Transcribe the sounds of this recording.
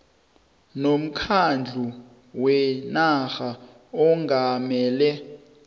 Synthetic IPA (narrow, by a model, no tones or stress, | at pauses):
nom̩kʰand͡ɮʱu | wɛnaxa | ɔŋɡʱamɛːlɛ